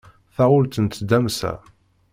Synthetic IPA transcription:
θæʊlt̪ənt̪d̪æmsæ̰

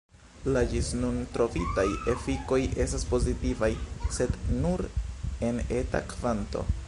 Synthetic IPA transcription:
lad͡ʒisnuntɾo̞vitaje̞fiko̞jʔe̞staspo̞zitivajse̞dnuɾe̞ne̞ta̰kvanto̞̰

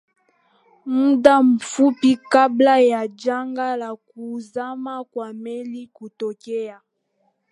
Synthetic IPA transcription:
mudam̩fupikablajad͡ʒaŋɡalakuzamakwamelikutokeja

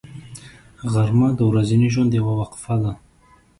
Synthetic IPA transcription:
ɣaɾmad̪əwɾaziniʒwand̪əjawawaqfad̪a

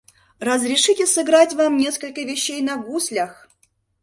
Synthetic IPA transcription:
rəzɾʲɪʂɨtʲɪsɨɡɾatʲvamnʲe̞skəlʲkəvʲɪɕːejnɐɡusʲlʲəx

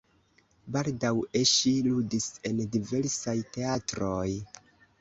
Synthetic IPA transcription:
baldaweʃiludise̞ndive̞ɾsajte̞atɾo̞j

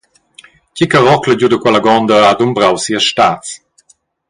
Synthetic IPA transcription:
cikəʁɔkləd͡ʑudəkwɛlaɡɔnd̪əadumbɾawsiəʃtaːt͡s

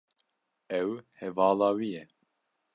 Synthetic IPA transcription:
ɛwhɛvɑːlɑːwijɛ

